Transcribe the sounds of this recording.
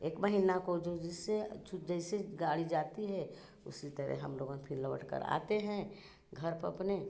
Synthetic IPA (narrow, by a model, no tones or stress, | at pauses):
eːkməɦinakod͡ʒod͡ʒɪset͡ʃd͡ʒəɪseɡaːɽid͡ʒaːt̪iɦɛ | ʊ̰sit̪əɾɛ̰ɦəmloːɡə̃npʰinləʋə̰ʈkə̰ɾa̰ːt̪eɦɛ̃ | ɡʱəɾpəɐ̰pne